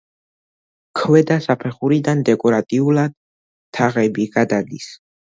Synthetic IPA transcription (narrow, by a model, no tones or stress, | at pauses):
kʰwɛd̪asapʰɛχuɾid̪and̪ɛkʼɔɾat̪ʼiulad̪̥̚ | t̪ʰːaʁɛbiɡ̥ad̪ad̪is